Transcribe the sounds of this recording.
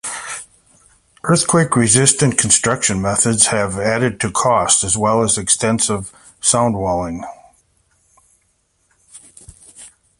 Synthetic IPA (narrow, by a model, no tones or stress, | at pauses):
ʔɜ˞θkʰw̥eɪkɹɨzɪstɨ̃nkʰn̩stɹ̥ʌkʃɨ̃nmɛθɨdz̥ɨvæɾɨd̚tʰɨkʰɔstɨzwɛlˠəzɨkstɛ̃nsɪv̥ | sãʊ̃nd̚wɛlˠɪ̃ŋ